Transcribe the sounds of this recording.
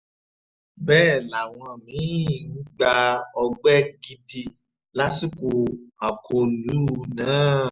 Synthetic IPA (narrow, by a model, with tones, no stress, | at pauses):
bɛː˦˨la˨w̃ɔ̃˧˨mĩ˨˦i˦˨nũ˦ɡ͡ba˧ɔ˧ɡ͡bɛ˦ɡi˧di˧ | la˦si˦˨ko˧a˨kʰo˧nũ˨˦˧nãː˨˦